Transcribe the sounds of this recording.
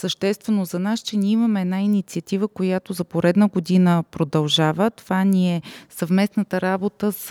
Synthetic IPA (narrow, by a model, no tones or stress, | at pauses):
səʃt̪ɛst̪vɛnozɐnast͡ʃɛniɛiməmɛɛd̪nainit̪siət̪ivəkojat̪ozɐpoɾɛd̪nəɡod̪inəpɾod̪ɐlˠʒavət̪ovanʲiɛsɐvmɛsnət̪əɾabot̪əs